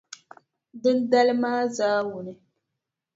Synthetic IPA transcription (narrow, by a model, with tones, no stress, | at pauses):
dɨ˦nda˦lɨ˦maː˦zaː˦wu˨nɨ˨